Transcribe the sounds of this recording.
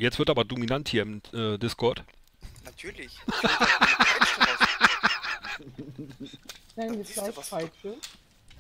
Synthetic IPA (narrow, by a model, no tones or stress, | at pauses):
jɛt͡stv̥ɪɐtʔaːbɐdominanthiːɐɪmʔɛdɪskʰɔɐt | natʰyɐlɪ | v̥ɛnviːɐɡlaɪçfaɪsə